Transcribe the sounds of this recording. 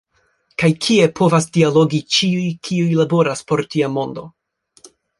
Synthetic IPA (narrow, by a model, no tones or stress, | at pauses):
kajkʰie̞pʰo̞vasdialo̞ɡit͡ʃiujkʰiujlabo̞ɾaspo̞ɾtiamo̞ndo̞